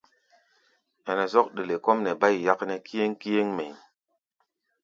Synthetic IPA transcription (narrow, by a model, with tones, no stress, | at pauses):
ɛ˨nɛ˨zɔ˦k̚ɗe˨le˨ko˦mnɛ˨ba˦jja˦kne˦ki˦je˦ŋki˦je˦ŋme˨j